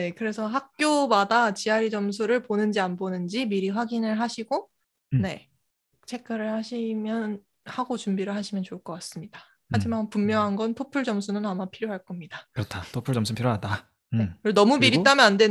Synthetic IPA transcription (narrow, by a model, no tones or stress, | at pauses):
ne̞kɯɾe̞sʰʌɦak̚k͈jomadat͡ɕiaɾid͡ʑʌmsʰuɾɯɭponɯnd͡ʑianbonɯnd͡ʑimiɾiɸwaɡinɯɭɦaɕʰiɡo | ne̞ | t͡ɕʰe̞k̚k͈aɾɯɭhaɕʰimjʌn | haɡot͡ɕumbiɾɯɭɦhaɕʰimjʌnt͡ɕoɯɭk͈ʌk͈as͈ɯmɲidḁ | had͡ʑimanpummjʌŋɦanɡʌntʰopʰuɭt͡ɕʌmsʰunɯnamapʰiɾjoɦaɭk͈ʌmɲidakɯɾʌtʰatʰopʰuɭt͡ɕʌmsʰupʰiɾjonada | enʌmumiɾit͈amjʌnande̞